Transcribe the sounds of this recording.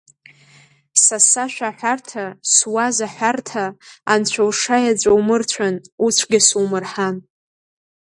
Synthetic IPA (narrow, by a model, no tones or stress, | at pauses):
sasaʃᶣaħʷᶣartʰaswazaħʷᶣartʰaːnt͡ɕʷʰawʂajad͡zʷʼawmɨrt͡ɕʷʰanut͡ɕʷʰɡʲɪsuwmɨrħan